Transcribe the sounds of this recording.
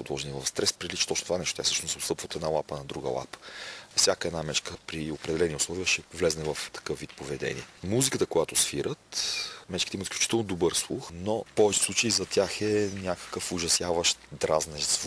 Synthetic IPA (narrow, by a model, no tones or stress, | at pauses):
pʊd̪lˠɔʒɛnivɐfst̪ɾɛspɾilit͡ʃɛ̥t̪ɔt͡ʃnot̪ovanɛʃt̪ot̪jasɤ̥ʃnosot̪st̪ɤpvəot̪ɛd̪nalˠapənɐd̪ɾuɡə̰lˠa̰pə̥fsʲjakəɛd̪namɛt͡ʃkəpɾiopɾɛd̪ɛlɛniʊslˠɔvʲiəʃɛvlɛznɛvɐft̪ɐ̥kɤfvit̪̚povɛd̪ɛ̰nʲḭɛmuzikət̪əkojat̪ʊsfiɾət̪mɛt͡ʃkit̪ɛimt̪fsklʲut͡ʃit̪ɛlˠnod̪obəɾslˠuxnopɔvɛt͡ʃɛ̥slˠut͡ʃəizɐt̪ʲjaxɛnʲjakə̥kəfʊʒɐsjavəʃt̪d̪ɾaznɛʒzvuk